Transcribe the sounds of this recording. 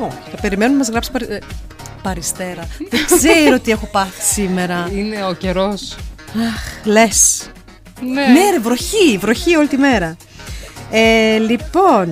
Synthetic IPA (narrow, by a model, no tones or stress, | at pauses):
oçi̥t̪ɐpe̞ɾime̞nunɐmɐzɣɾɐpsi̥pɐɾ | pɐɾist̪e̞ɾɐðeɡzeɾot̪ie̞xo̞pɐθi̥sime̞ɾɐineoceɾo̞sɐxle̞s | neneɾvɾo̞çivɾo̞çio̞lit̪ime̞ɾɐ | elipo̞n